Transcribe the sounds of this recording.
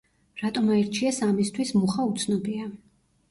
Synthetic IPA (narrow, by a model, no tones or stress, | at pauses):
ɾat̪ʼɔmaiɾt͡ʃʰiɛsamist̪ʰwismuχaut̪sʰnɔbia